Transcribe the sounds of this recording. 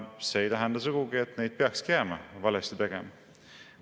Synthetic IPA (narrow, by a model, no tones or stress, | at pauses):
seːejt̪æɦænd̪ɑs̬uɡ̥uɡiet̪ˑne̞jd̪̥̚peɑkskeæmɑvɑlest̪it̪e̞ɡ̥emɑ